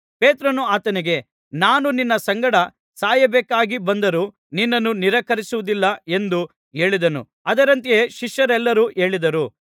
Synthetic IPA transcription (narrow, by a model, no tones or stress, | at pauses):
pe̞ːt̪ɾɐnuaːt̪ɐniɡe̞ | naːnuninːɐsɐŋɡɐɽɐ | saːjɐbɛːkaːɡibɐnd̪ɐɾu | ninːɐnːuniɾɐkɐɾisuʋud̪ilːɐe̞nd̪u | e̞ːɭid̪ɐnṵ | ɐd̪ɐɾɐnt̪ieːʃiʃjɐɾɛlːɐɾuːʔe̞ːɭid̪ɐɾu